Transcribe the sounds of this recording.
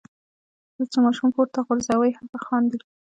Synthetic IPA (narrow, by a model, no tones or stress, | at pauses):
d̪ət͡somɑʃumkoɾt̪aɣʊɾzawəjhampaxɑnd̪i